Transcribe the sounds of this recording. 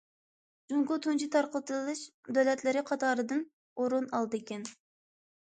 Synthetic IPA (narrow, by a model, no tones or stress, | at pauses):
d͡ʒuŋkʊt̪ʰunt͡ʃʰit̪ʰɑɾqət̪ɨlˠɨʃd̪øwlɛt̪lɪɾɪqʰɑt̪ʰɑːɾɨd̪ɨn | oɾunɑlˠd̪ɨekʲɛn